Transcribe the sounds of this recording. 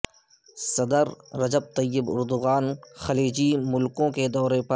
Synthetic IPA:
sɐd̪əɾːɐd͡ʒəb̚t̪ɐjːɪbʊ̰ɾd̪ʊɣaːnxɐliːd͡ʒimʊlkõked̪ɔːɾepɐ

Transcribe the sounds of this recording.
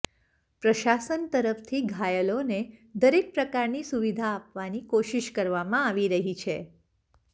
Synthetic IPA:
pɾəʃasənt̪əɾəfʰt̪ʰiɡʱajəloned̪əɾek̚pɾəkaɾnisuʋid̪ʱaːpʋanikoʃiʃkəɾʋamãaʋiɾəɦit͡ʃʰe

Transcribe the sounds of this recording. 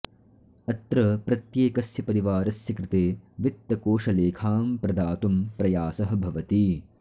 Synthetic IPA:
ɐt̪ɾɐpɾɐt̪jeːkɐsjɐpɐɾiʋaːɾɐsjɐkɾɪt̪eːʋit̪ːɐkoːʂɐleːkʰaːmpɾɐd̪aːt̪umpɾɐjaːsɐɦɐ̆bʱɐʋɐt̪i

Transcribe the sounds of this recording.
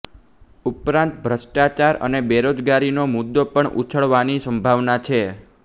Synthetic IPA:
upɾãnt̪bʱɾəʃʈat͡ʃaɾə̰nebeɾod͡ʒɡaɾinomud̪ːopəɳṵt͡ʃʰəɭʋanisəmbʱaʋnat͡ʃʰe

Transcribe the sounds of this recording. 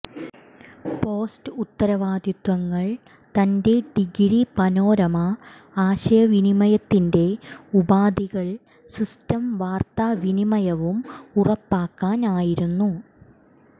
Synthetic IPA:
po̞ːstɨut̪ːɐɾɐʋaːd̪ʱjut̪ʋɐŋːɐɭ | t̪ɐnde̞ɖiɡɾipɐno̞ːɾɐmɐ | aːɕɐjɐʋinimɐjɐt̪ːinde̞ubaːd̪iɣɐɭ | sistɐmʋaːrt̪aʋinimɐjɐʋumurɐpːaːkːaːnaːjiɾunːu

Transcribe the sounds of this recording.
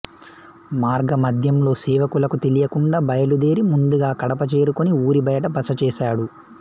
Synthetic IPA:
maːɾɡɐmɐd̪ʱjɐmlo̞ːsɛːʋɐkulɐkut̪e̞lijɐkuɳɖaːbɐjɐlud̪e̞ːɾimund̪uɡaːkɐɽɐpɐt͡ʃeːɾukoniuːɾibɐjɐʈɐbɐsɐt͡ʃɛːsaːɽu

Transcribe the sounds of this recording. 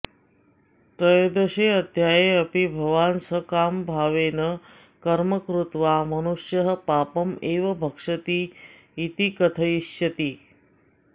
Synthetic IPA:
t̪əjd̪əɕeɐd̪ʱjajeəpibʱɐʋaːnsəkambʱaʋenə | kɐɾməkɾut̪ʋamɐnuʂjəɦə̆paːpəmeːʋɐbʱəkʂət̪iː | t̪ikət̪ʰəjiɕjɐt̪iː

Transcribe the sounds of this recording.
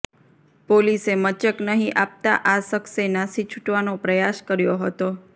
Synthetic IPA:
polisemət͡ʃəknəɦĩʔap̚t̪aʔasəksenasit͡ʃʰuʈʋanopɾəjaskəɾjoɦət̪o

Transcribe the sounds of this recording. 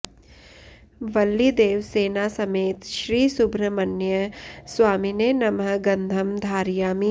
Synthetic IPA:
ʋɐlːid̪eːʋseːnasɐmeːt̪ʃɾiːsubʱɾɐmɐnjəsʋaːmineːnɐmɦɐɡɐ̃nd̪ʱɐmd̪ʱaːɾjaːmi

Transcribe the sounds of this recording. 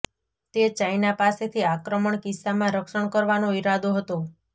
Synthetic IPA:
t̪et͡ʃajnapaset̪ʰiakɾəməɳkɪsamãɾəkʃəɳkəɾʋanoiɾad̪oɦət̪o

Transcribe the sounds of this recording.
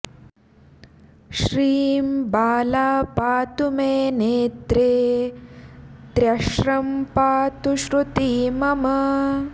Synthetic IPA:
ʃɾiːmbaːlaːpaːt̪umeːneːt̪ɾeː | t̪ɾɐʃɾɐmpaːt̪uʃɾut̪iːmɐmɐ

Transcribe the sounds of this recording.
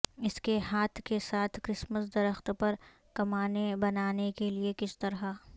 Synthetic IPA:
ɪskeɦaːt̪ʰkesaːt̪ʰkɾɪsməsd̪ɐɾəxt̪pɐɾ | kɐmaːnebɐnaːnekeliekɪst̪ɐɾɦa

